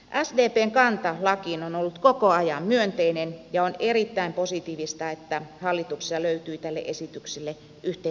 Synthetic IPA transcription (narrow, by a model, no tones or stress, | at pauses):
ʔæsdeːpeːŋkɑnt̪ɑlɑkiːnonolːut̪kokoɑjɑmmyønt̪einenjɑonerit̪ːæimposit̪iːʋist̪ɑet̪ːæhɑlːit̪uksisɑløyt̪yːt̪ælːḛʔesit̪yksilːe | ʔyht̪e